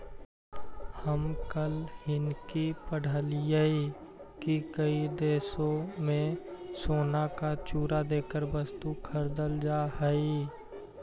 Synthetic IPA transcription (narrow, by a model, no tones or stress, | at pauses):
həmkəlhɪnkipəɽ̤əliai | kikɐid̪eːsõmẽsoːnakat͡ʃuːɾad̪eːkəɾbəst̪ukʰəɾd̪əld͡ʒaːhɛi